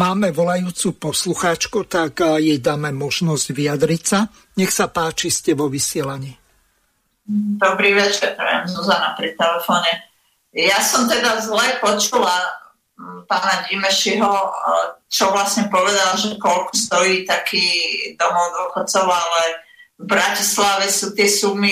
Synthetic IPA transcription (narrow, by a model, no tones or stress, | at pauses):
maːmɛʋɔlajuːt͡suːpɔsluxaːt͡ʃkut̪aɡjɛd̪aːmɛmɔʒnɔzɟʋiad̪ɾicsa | ɲɛxsapaːt͡ʃiscɛʋɔʋisɪɛlaɲi | d̪ɔbɾiːʋɛt͡ʃɛɾt̪ɛ̰ɛ̰mzuzanapɾit̪ɛlɛfɔːɲɛ | jasɔmt̪ɛd̪azlɛpɔt͡ʃula | paːnad͡ʑimɛʃiɦɔ | t͡ʃɔʋlasɲɛpɔʋɛd̪alaʒɛkɔlkɔ̥st̪ɔiːt̪akʰiːd̪ɔmɔʊd̪ʊɔxɔt̪t͡sɔʊalɛvbɾacislaʋɛsuːt̪ɪɛsumi